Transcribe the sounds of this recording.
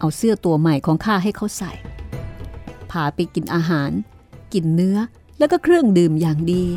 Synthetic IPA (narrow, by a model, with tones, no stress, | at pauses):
ʔa˧wsɯ˥˩ɐt̪u˧ɐma˨˩jkʰɔː˩˦ŋkʰaː˥˩ɦa˥˩jkʰa˧˥˩wsa˨˩j | pʰaː˨˩pa˧jki˨˩nʔaː˧ɦaː˩˦n | ki˨˩nːɯ˦˥ɐ | lɛː˦˥wkɔː˥˩kʰɾɯ˥˩əŋdɯː˨˩mjaː˨˩ŋdiː˧